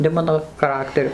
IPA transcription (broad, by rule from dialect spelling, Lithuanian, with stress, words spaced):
nʲɛ ˈmɑːnoː xɐˈrɑːktʲɛrʲʊ